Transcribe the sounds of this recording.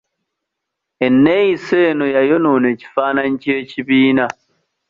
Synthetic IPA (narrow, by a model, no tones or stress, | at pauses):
enːejiseːnojajonoːne̞ːci̥faːnaɲicieciβiːna